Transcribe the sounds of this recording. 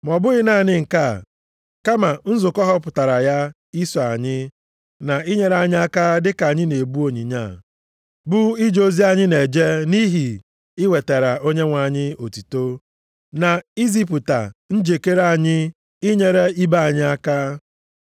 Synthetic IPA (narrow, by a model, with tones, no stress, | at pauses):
m˨ɔ˨bʊ˦ɣɪ˦na˦˨nɪ˦ŋ̩˨ka˦˨ | ka˦ma˨n̩˦zʊ˨kɔ˦ɦɔ˦pʊ˨ta˨ɾa˨ja˦ | i˦sɔ˨a˨ɲɪ˦ | na˨i˦ɲe˨ɾa˨ɲɪ˦a˦ka˦dɪ˦ka˨ɲɪ˦ne˨bu˦o˨ɲi˨ɲa˦˨ | bʊ˦i˦d͡ʒo˦zi˦a˨ɲɪ˦ne˨d͡ʒe˦ni˦ɦi˨ | ɪ˦we˨te˨ɾa˨o˦ɲe˦ŋʷa˨ɲɪ˦o˨ti˨to˦ | na˨i˦zi˦p̬ʊ˨ta̰˨n̩˦d͡ʒe˨ke˦ɾa˨ɲɪ˦ | i˦ɲe˨ɾe˦i˦ba˦a˨ɲɪ˦a˦ka˦